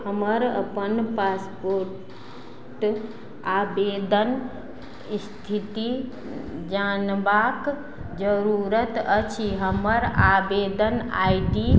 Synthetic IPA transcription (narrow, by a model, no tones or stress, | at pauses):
həməɾə̰pənpaspoɾ | ʈ | abed̪ən | st̪ʰit̪i | d͡ʒanbak | d͡ʒəɾuɾət̪ət͡ʃʰiɦəməɾabed̪əna̰jɖi